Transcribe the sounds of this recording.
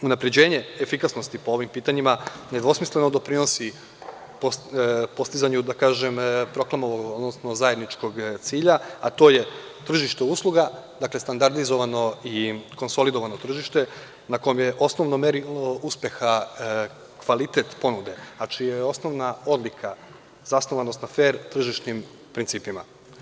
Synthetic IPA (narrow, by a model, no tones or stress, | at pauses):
unapɾe̞d͡ʑe̞ːɲe̞efikasno̞st̪ipoo̞ʋimpiːt̪aɲimaned̪ʋo̞smisle̞no̞d̪o̞pɾino̞si | popo̞st̪izaɲud̪akaːʒempɾo̞klˠamoʋoɡɡod̪nosno̞zaje̞d̪nit͡ʃko̞ɡt̪siːʎaat̪o̞ːje̞t̪r̩ʒiʃt̪euːslˠuɡad̪aːkle̞st̪and̪aɾd̪izo̞ʋano̞iko̞nso̞lid̪o̞ʋano̞t̪r̩ʒiʃt̪e̞ | nako̞jomjeʔo̞sno̞ʋnomeɾiuspje̞xa | kʋalit̪e̞t̪po̞nud̪e̞at͡ʃijejo̞sno̞ʋnao̞d̪likʰa | z̥asnoʋanost̪nafeːɾt̪r̩ʒiʃnim | pɾint̪siːpima̰